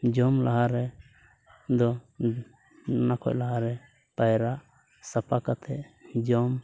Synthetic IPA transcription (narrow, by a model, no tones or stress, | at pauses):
d͡ʒɔmlaɦaɾɛ | d̪ɔ | nakʰɔ̰ʔlaɦaɾɛ | pajɾaʔ | sapakat̪ʰɛd͡ʒɔm